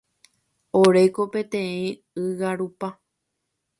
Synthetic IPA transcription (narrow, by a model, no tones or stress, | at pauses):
oɾe̞kopẽ̞t̪ẽĩ | ɨɣaɾupa